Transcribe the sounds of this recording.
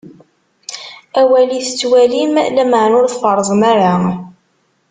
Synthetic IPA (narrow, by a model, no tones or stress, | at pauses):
æwæliθə̥t͡sːwælimlæməʕnʊɾθfəɾˤzˤmaɾa